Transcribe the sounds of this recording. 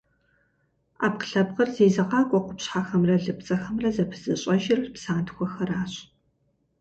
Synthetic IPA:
a̰ːp̚qə̥ɬɐbqɐrzeːzɐqɑːkʷʼɔqʷʊpɕħaxɐmrɐɮɨp̚t͡sʼɐxɐmrɐzɐpʰɨzɨɕʼɐʒɪrpsaːntxʷɔxɐraːɕ

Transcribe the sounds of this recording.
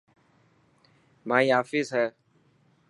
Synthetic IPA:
maːiːaːfiːzɦɛː

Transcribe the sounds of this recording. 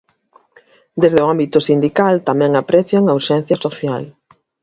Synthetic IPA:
d̪ezðeoambit̪ʊsind̪ikalt̪amɛ̃ŋapɾɛθjaŋauʃɛn̟θjɐsoθjal

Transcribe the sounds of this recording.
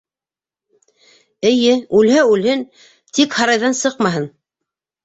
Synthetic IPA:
ɘ̆jɘʉlɦæʉlhɘn | t̪ikhɑɾɑjðɑnsɤqmɑɦɤn

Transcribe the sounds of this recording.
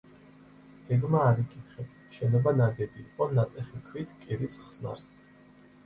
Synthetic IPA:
ɛɡmaːɾikʼit̪ʰχɛ | ʃɛnɔbanaɡɛbiːqʼɔnat̪ʼɛχikʰwit̪ʰkʼiɾisχsna̰ɾzɛ

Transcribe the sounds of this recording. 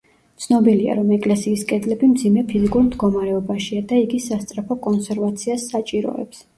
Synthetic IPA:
t̪sʰnɔbilia̰ɾɔmɛkʼlɛsiːskʼɛd̪lɛbimd̪zimɛpʰizikʼuɾmd̪ɡɔmaɾɛɔbaʃiad̪aiɡisast̪sʼɾapʰɔkʼɔnsɛɾvat̪sʰiasːat͡ʃʼiɾɔ̰ɛ̰ps

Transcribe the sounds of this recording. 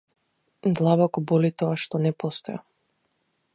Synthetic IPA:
d̪lˠabɔkɔbɔlit̪ɔaʃt̪ɔnɛpɔst̪ɔja

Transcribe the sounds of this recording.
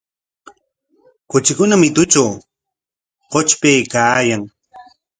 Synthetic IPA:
kʊt͡ʃɪkʊnamɪt̪ʊt͡ʃaw | qot͡ʃpejkaːjaŋ

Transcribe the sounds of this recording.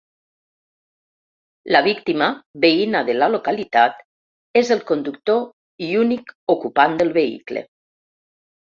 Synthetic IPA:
laβikt̪imaβeinaðelalokalit̪at̪ | ezelˠkond̪ukt̪o | iunikokupand̪əlˠβeḭklḛ

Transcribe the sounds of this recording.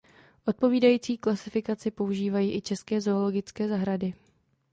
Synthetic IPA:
ʔo̞t̪̚po̞viːdajiːt͡siːklasɪfɪkat͡sɪpo̞uʒiːvajiːʔɪt͡ʃɛskɛːzo̞ːlo̞ɡɪt͡skɛːzaɦɾadɪ

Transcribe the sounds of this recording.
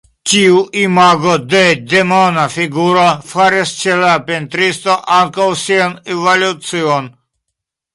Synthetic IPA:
t͡ʃiuʔimaɡod̪ed̪emonafiɡuɾofaɾist͡ʃelapent̪ɾist̪oʔaŋkawsianevolut͡sion

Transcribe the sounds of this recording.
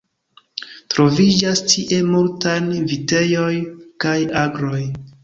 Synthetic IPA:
tɾo̞vid͡ʒastʰiʔe̞multanvite̞jo̞jkajaɡɾo̞j

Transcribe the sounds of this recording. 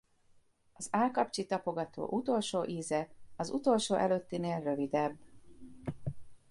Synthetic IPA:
ɒzaːlkɒpt͡ʃit̪ɒpo̞ɡɒt̪o̰ːʔut̪o̞lʃoːʔiːzɛɒzut̪o̞lʃoːʔɛløt̪ːineːlrø̞vid̪ɛbː

